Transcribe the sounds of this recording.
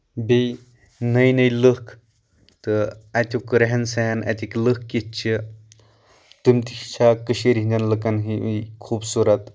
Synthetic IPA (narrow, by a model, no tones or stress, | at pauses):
bej | nɐjnɐjlɨkʰ | t̪ɨɐt̪ʲukɨɾɐɦɐnsɛːnɐ̰t̪ʲiklɨkːit͡ʃʰi | t̪ɨmt̪ikt͡ʃʰakɨʃiɾɦind͡ʒɐnlɨkɐnɦiikʰuːbsuɾɐt̪